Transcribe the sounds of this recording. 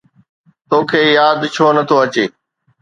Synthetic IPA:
t̪oːkʰeːjaːd̪t͡ɕʰoːnɐt̪ʰoɐt͡ɕeː

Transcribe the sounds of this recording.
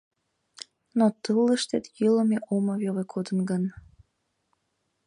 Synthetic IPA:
not̪əlˠəʃt̪et̪jilomeʔoməβjoʁekʰod̪ənɡən

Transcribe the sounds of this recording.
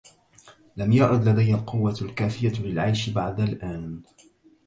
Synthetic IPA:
lamjaʔʕʊd̪lad̪ajhalqʊwːalkaːfɪjalɪlʕajʃɪbaʕd̪alʔaːn

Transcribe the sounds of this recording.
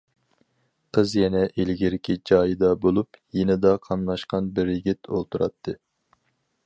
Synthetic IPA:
qʰəzjɛnɛʔelɡʲiɾɪkʲʰid͡ʒɑːjɨd̪ɑbolˠupjenɪd̪ɑqʰɑnlˠɑʃqɑnbɪɾjiɡʲit̪ʰolˠt̪uɾɑ̰t̪ʰːɨ

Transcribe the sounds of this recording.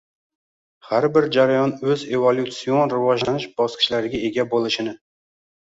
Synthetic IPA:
haɾbɪɾd͡ʒaɾajɒnɵzevolˠʲut̪sionɾɪvɒʒlanɪʃb̥ɒskʲʰɪ̥ʃlaɾɪɡʲae̞ɡʲabolˠɪʃɪnɪ

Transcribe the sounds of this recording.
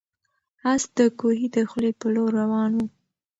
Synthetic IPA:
asd̪əkoɦid̪əxlepəloɾːawɑnwu

